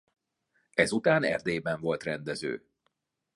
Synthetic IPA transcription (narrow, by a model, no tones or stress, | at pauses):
ɛzut̪aːnɛ̰rd̪eːbɛɱvo̞lt̪rɛnd̪ɛzø̰ː